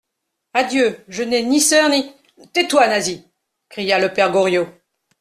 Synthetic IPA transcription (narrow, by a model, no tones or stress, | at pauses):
ad̪jøʒənɛnisœʁni | t̪ɛt̪wanazi | kχijaləpɛʁɡɔʁjo